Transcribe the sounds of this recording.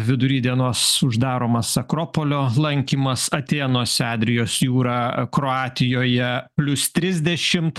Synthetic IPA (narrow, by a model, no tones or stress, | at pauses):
ʋʲɪd̪ʊɾʲiːd̪ʲiɛnoːsʊʒd̪ɑːɾoːmɐsɐkɾoːpoːlʲoːlˠɐŋʲkʲiːmɐsɐt̪ʲeːnoːsʲɑːd̪ʲɾʲɪjoːsjuːɾɑːkɾoɑːt̪ʲɪjoːjɛpʲlʲʊst̪ʲɾʲɪzʲd̪ʲɛʃʲɪmt̪